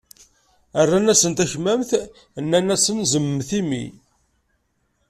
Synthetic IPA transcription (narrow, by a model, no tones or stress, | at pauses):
ərːænæsənt̪æçmæmθ | nːænæsənzəmːθimḭ